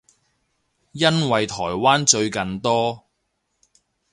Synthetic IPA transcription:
jɐ˥nwɐ˨jt̪ʰɔː˨˩jwaː˥nt͡ʃɵ˧ɥkɐ˨nt̪ɔː˥

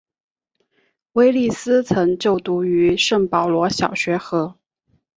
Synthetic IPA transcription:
we˥ɪli˥˩sɹ̩˥t͡sʰɤ˧˥ŋt͡ɕjo˥˩ʊt̪u˧˥y˧˥ʂɤ˥˩ŋpɑ˨˩ʊlwɔ˧˥ɕjɑ˨˩ʊɕɥɛ˧˥xɤ˧˥

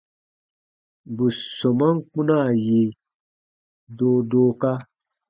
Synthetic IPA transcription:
bu˨so˨ma˦ŋ˦k͡pũ˦na˦˨je˨ | doː˦doː˦ka˦

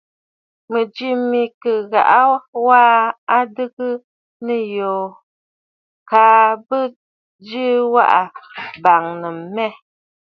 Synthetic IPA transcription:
mə˨d͡ʒi˦mi˨kə˨ɣa̰˨ʔa˦waː˦a˦dɨ˦ɡɨ˦ | nə˨jo˨ | kaː˨˦bə˦ | d͡ʒi˦wa̰˦ʔa˨ba˨ŋnə˨m˨˦mɛ˦˨

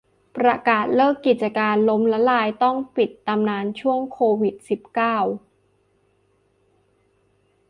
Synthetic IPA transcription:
pɾa˧kaː˨˩t̪̚lɤː˥˩kːi˨˩t̪̚t͡ɕa˧kaː˧nlo˦˥mlɛ˦˥laː˧jt̪ɔ˥˩ŋpi˨˩t̪ːa˧mnaː˧nt͡ɕʰu˥˩əŋkʰoː˧wi˨˩t̪̚si˨˩p̚kaː˥˩w

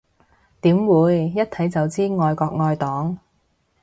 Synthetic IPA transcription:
t̪iː˨˥mwuː˨˧jːɐ˥t̚t̪ʰɐ˨˥jt͡sɐ˨wt͡siː˥ŋɔː˨˧jkɔː˧k̚ŋɔː˧jt̪ɔː˨˥ŋ

